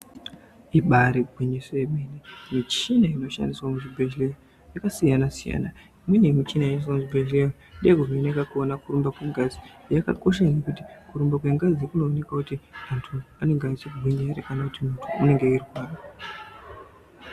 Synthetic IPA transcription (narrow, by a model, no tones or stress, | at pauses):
iɓaɾiɡʱwiɲisojemenimit͡ʃinaino̞ʃa̰ndiswamuʐibʱeʒilejo | jakasijanasija̰ːna | imwenemit͡ʃinaios̬amuʐibʱeʒlejo | ndeekurinekakuonakuɾumbakwe̞ŋɡazi | jaka̰ko̞ʃ̬anekuti̥kuɾumbakwe̞ŋɡazikuno̞ːne̞kakutiantʰuaneŋɡait͡ʃek̬uɡʱwiɲaɾekanakutimutʰuːne̞ŋɡe̞irwaːna